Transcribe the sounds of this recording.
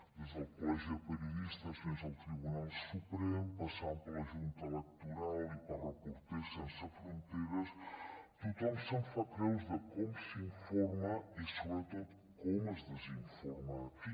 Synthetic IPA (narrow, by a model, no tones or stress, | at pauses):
d̪izɐpɔʒiɐpɨɾjuðiʃt̪ɐʃsẽzawt̪ɾiβunalˠd̪supɾemupɐsãñpɐlˠɐʒũnt̪ilˠɛk̚t̪uɾalˠipɐɾakuɾt̪eɾsẽnsɐfɾõnt̪ejɾɐʃk̪it̪õmsɐ̃w̃fɐk̪ɾewʒðɐkomusĩfɔɾmɐisulɐt̪oð | komɐzðɨzĩfuɾmai